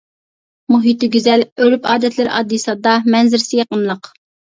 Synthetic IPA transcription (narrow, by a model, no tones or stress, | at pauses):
muɦit̪ɪɡʲyzɛlølypʰɑːd̪ɛt̪ʰlɪɾɑ̰d̪ːisɑd̪ɑmɛnzɪɾsɪjɑqənlˠəq